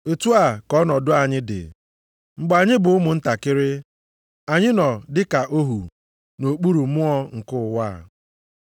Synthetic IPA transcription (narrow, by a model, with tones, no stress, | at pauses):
e˨tu˦a˨kɔ˦nɔ˨dʊ˦a˨ɲɪ˦dɪ̰˨ | ŋ͡m̩˨ɡ͡ba˨ɲɪ˦bʊ˨ʊ˦mʊ˨n̩˦ta˨kɪ˦ɾɪ˦ | a˨ɲɪ˦nɔ˨dɪ˦ka˨ʔo˦ɦu˨ | no˨k͡pu˦ɾu˨mʊ˦ɔ˦ŋ̩˨kʊ˦ʊ˨waː˦˨